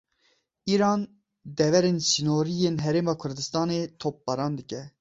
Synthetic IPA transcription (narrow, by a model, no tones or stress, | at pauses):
iːɾɑːn | d̪ɛvɛɾeːnsinoːɾijenɦɛɾeːmɑːkʰʊɾd̪ɨst̪ɑːneːt̪ʰop̚ːbɑɾɑːnd̪ɨkʲɛ